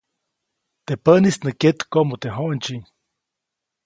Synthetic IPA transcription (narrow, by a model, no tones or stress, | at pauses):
t̪epənisnəket̪komot̪eɦoʔnt͡ʃiɲ